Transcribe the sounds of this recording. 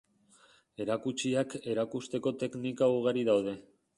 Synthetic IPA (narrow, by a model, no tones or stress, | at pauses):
e̞ɾakut͡ʃiake̞ɾakust̪e̞ko̞t̪e̞knikauɣ̞aɾiðawð̞e̞